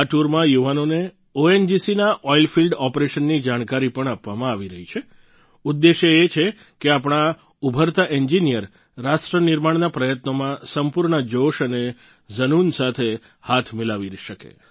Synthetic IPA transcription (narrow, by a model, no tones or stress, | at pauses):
aʈuɾmãjuʋanone | oend͡ʒisinaʔɔilfilɖɔpɾeʃənːid͡ʒaɽ̃kaɾipəɳapʋamãaʋiɾəɦit͡ʃʰe | ʊd̪ːeʃəet͡ʃʰe | keapɳ̃a | ubʱəɾt̪aʔɛɲd͡ʒinijəɾː | aʃʈɾənɪɾmaɳnapɾəjət̪nomãsəmpuɾɳəd͡ʒoʃəne | d͡ʒənunsat̪ʰe | hat̪ʰmɪlaʋiɾʃəkḛ